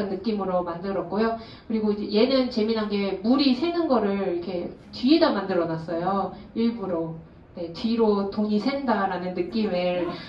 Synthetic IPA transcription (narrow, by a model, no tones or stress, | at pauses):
ɯnːɯk͈imɯɾomandɯɾʌk̚k͈ojo | kɯɾiɡoid͡ʑeje̞nɯnt͡ɕe̞minɦanɡe̞muɾisʰe̞ŋɯnɡʌɾɯɭiɾkʰe̞ | tɥiidamandɯɾʌnas͈ʌjoiɭbuɾo | ne̞tɥiɾotoŋisʰe̞ŋdaɾanɯnːɯk͈imɯɭ